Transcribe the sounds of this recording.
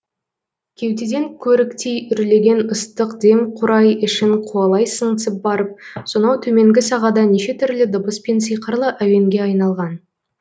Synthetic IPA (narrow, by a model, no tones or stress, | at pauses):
kʲʰe̞wt̪ed̪e̞ŋkʲʰɵɾɪkt̪ejʏɾle̞ɡʲe̞nəst̪əqd̪e̞mqʰʊɾɑjɪʃɪɴqʰuɑlˠɑjsəɴsəp̚bɑɾəp̚so̞nɑwt̪ʰɵme̞ŋɡʲɪsɑʁɑd̪ɑneʃe̞t̪ʰʏɾlɪd̪ʊbəspens̬ijqəɾlˠəʔæwe̞ŋɡʲe̞ɑjnɑlˠʁɑn